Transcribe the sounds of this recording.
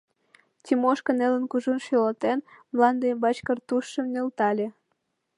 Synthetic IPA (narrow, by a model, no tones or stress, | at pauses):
t̪ʲimoʃkə̆nelə̆nkuʒunʃylɑt̪enmlɑnd̪embɑt͡ɕkərt̪uʃːə̆mnelt̪ɑlʲe